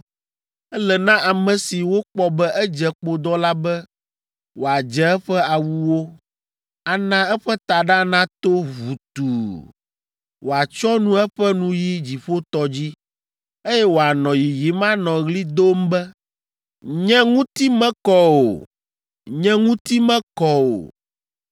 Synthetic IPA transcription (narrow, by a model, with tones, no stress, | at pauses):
ɛ˦lɛ˨nã˦ʔa˨mɛ̃˨si˨wo˦k͡pɔ˦bɛ˦ʔɛ˦d͡ʒɛ˨k͡po˦d̪ɔ˦la˦bɛ˦ | wo˨a˨d͡ʒɛ˨ɛ˦ɸɛ˦a˨wu˦wo˦ | a˨nã˦ɛ˦ɸɛ˦t̪a˨ɖa˦nã˦t̪o˦vu˨t̪u˨ | wo˨a˨t͡ʃɔ˦nũ˦ɛ˦ɸɛ˦nũ˦ji˦d͡ʑi˨ɸo˦t̪ɔ˦d͡ʑi˦ | e˦jɛ˦wo˨a˨nɔ̃˨ji˨ji˨mã˦nɔ̃˨ɣli˦d̪o˦mbɛ˦ | ɲɛ̃˦ŋũ˦t̪i˦mɛ̃˦kɔ˦o̰˨ | ɲɛ̃˦ŋũ˦t̪i˦mɛ̃˦kɔ˦o̰˨